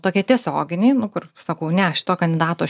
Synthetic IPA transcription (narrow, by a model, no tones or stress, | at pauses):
t̪oːkʲiɛt̪ʲiɛsʲoːɡʲɪnʲeːnʊkʊrsɐkɐʊnʲɛɐʃʲɪ̥t̪oːkɐnʲd̪ʲɪd̪ɑːt̪oː